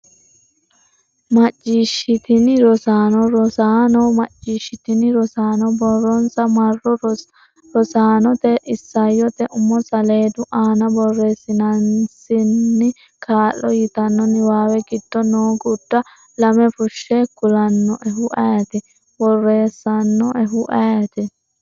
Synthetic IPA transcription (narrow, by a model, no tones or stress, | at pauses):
mɐt͡ʃːiːʃɪt̪ɪnɪɾɔsaːnɔɾɔsaːnɔmɐt͡ʃːiʃɪt̪ɪnɪɾɔsaːnɔbɔrːɔnsɐmɐrːɔ | ɾɔsaːnɔt̪ɛʔɪsːɐjːɔt̪ɛʔʊmːɔsɐleːd̪ʊʔaːnɐbɔrːe̞ːsːɪnɐnsɪnːɪ | kʰaːlːɔjɪt̪ɐnːɔnɪwaːwɛɡɪd̪̥ːɔnoːɡʊd̪̥ːɐ | lɐmɛfʊʃːɛkʊlɐnːɔʔɛɦʊʔɐjɐt̪ɪ | bɔrːeːsːɐnːɔʔɛɦʊʔɐjɐt̪ɪ